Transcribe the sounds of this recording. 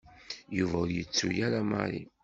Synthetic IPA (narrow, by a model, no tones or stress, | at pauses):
juvæʊɾjət͡sːujæɾamə̰ɾḭ